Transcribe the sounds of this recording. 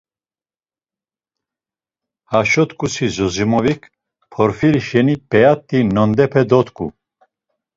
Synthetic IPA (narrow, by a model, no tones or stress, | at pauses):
haʃɔt̪kʼusizɔzimɔvikʰ | pʰɔɾfiɾiʃɛnipʼɛat̪ʼːinɔnd̪ɛpʰɛd̪ɔt̪kʼṵ